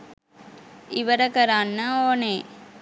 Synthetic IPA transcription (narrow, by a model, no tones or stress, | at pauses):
iʋɐɾɐkɐɾanːaoːne